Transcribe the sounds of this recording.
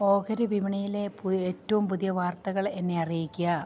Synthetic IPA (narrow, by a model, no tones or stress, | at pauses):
oːkɐɾuʋimɐɳijile̞peːtːɐʋumpuðijɐʋaːrt̪ɐɣɐɭe̞nːe̞ɐrijikʲːuɐ